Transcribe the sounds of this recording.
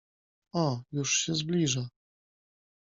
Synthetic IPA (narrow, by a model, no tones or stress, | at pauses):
ɔjuʂɕɛzblʲiʐa